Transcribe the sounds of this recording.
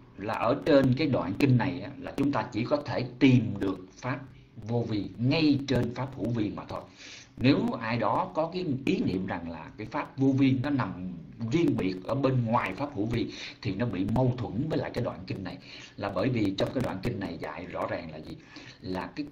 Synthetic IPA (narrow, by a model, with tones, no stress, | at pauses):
laː˨˩ʔəː˧˩t͡ɕe˧nkaː˨˦jɗwa̰ː˧˨nkï˧ŋ̟na˨˩jʔaː˨˦laː˨˩t͡ɕʊ˨˦ŋ͡mt̪aː˧t͡ɕi˧˩kɔ˨˦t̪ʰe˧˩t̪i˨˩mɗɨ˨˩ək̚faː˦˥p̚ | vo˧vi˧əŋŋa˧jt͡ɕe˧nfaː˦˥p̚hṵ˧˩vi˧ənmaː˨˩t̪ʰo˧jne˨˦wʔaː˧jɗɔ˨˦kɔ˨˦kaː˨˦jʔi˨˦nḭ˧˨əmza˨˩ŋlaː˨˩kaː˨˦jfaː˦˥p̚vo˧vi˧ənnɔ˨˦na˨˩mzi˧ənɓi˨˩ək̚ʔəː˧˩ɓe˧nŋwaː˨˩jfaː˦˥p̚hṵ˧˩vi˧ət̪ʰi˨˩nɔ˨˦ɓḭ˧˨mə˧wt̪ʰwə˧˩nvəː˨˦jla̰ː˧˨jkaː˨˦jɗwa̰ː˧˨nkï˧ŋ̟na˨˩j | laː˨˩ɓəː˧˩jvi˨˩t͡ɕɔ˧wŋ͡mkaː˨˦jɗwa̰ː˧˨nkï˧ŋ̟na˨˩jza̰ː˧˨jzɔ̰˧˥zaː˨˩ŋlaː˨˩zi˨˩laː˨˩kaː˨˦